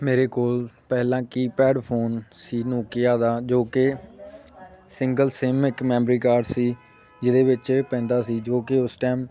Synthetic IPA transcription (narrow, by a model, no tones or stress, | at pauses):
meːɾeːkoːlpɛːɦlãːkiːpɛːɖpʰoːnsiːnoːkɪjaːd̪aːd͡ʒoːkɪ | sɪŋɡəlsɪmɪkmɛ̃ːmbɾiːkaːɾɖsiː | d͡ʒɪd̪eːʋɪt͡ʃpɛ̃ːnd̪aːsiːd͡ʒoːkɪʊsʈɛːm